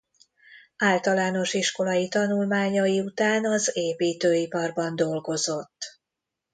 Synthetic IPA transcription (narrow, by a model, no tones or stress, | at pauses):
aːlt̪ɒlaːno̞ʃiʃko̞lɒjit̪ɒnulmaːɲɒjiut̪aːnɒzeːpiːt̪øːipɒrbɒnd̪o̞lɡo̞zo̞t̪ː